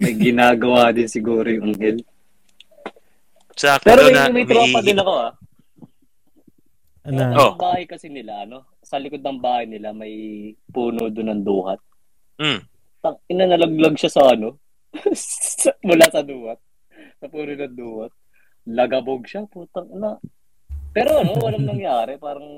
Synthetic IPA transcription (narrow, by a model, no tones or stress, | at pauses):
mɐjɡɪnaːɡɐwaːd̪ɪnsɪɡuːɾojʊŋʔɐŋhɛl | t͡ʃakpɛːɾomjmɐjt̪ɾaːpɐd̪ɪnɐko̞ʔa | naɐŋbaːhɐjkɐsɪnɪlaʔɐno̞ | sɐlɪkod̪̚nɐŋbaːhɐjnɪlamɐjpuːnod̪ʊnɐŋd̪uːhɐt̪̩̚ | tɐŋɪnɐnɐlɐɡlɐɡʃasɐʔɐno̞ | mʊlaːsɐd̪uːhɐt̪̚ | sɐpuːnonɐnd̪uːhɐt̪̚ | lɐɡɐboɡ̚ʃapuːt̪ɐŋʔnɐ | pɛːɾo̞ʔɐno̞wɐlaŋnɐŋjaːɾɛpaːɾɐŋ